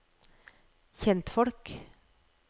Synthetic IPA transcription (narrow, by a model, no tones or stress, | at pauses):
çɛnt̪fɔɽk